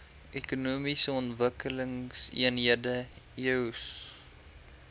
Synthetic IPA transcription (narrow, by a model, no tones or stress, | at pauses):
ʔekunuːmisəɔntvəkələŋsḭənɦiədəiəws